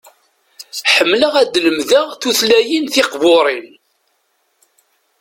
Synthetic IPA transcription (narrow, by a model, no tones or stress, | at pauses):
ħəmːləʁæd̪ləmðəʁθuθlæjinθɪqvoɾˤin